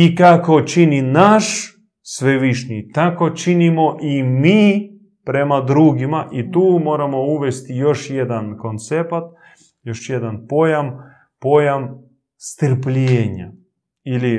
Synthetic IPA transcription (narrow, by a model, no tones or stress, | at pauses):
ikako̞t͡ʃininaʃ | sʋeʋiʃɲḭt̪ako̞t͡ʃinimo̞ʔimiː | pɾe̞mad̪ɾuɡimaʔit̪uːmo̞ːɾamo̞uʋest̪ijo̞ʃjed̪ankont̪sepat̪̚ | jo̞ʃjed̪anpo̞jam | po̞jam | st̪əɾpʎeːɲa̰ | ili